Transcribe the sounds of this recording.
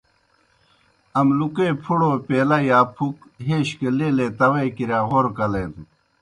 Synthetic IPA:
ɐmlukepʰuɽoːpeːlajaːpʰukɦeːɕkeleːlet̪ɐwɐkiɾjaːɣoɾkɐleːnd̪u

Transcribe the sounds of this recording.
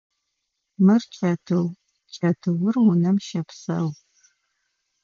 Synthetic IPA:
mɨrt͡ʃʼɐtʰɨw | t͡ʃʼɐtʰɨwʊrwʊnɐmʃɐpsɐ̰w

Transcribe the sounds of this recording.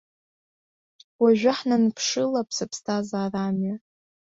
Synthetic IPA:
waʒᶣaħnanpʰʂɨlapʰsɨpʰstʰazaːramɥa

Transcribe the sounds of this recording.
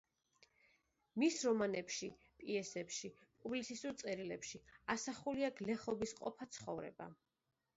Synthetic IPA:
misɾɔmanɛpʃi | pʼiɛsɛpʃipʼublisisuɾt̪sʼɛɾilɛpʃiasaχuliaɡlɛχɔbisqʼɔ̰pʰat̪sʰχɔ̰vɾɛ̰ba̰

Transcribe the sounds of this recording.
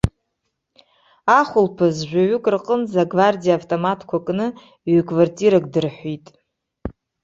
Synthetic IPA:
aχʷʊlpʰazʒᶣʷaɥʏkʼrqʼənzaɡvardijavtʼomatʰkʷʰakʼnɨ | ɥkʼvartʼiɾak̚ʼdɨrħʷitʼ

